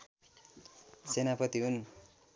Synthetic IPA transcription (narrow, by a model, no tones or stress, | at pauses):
senapʌt̪iɦun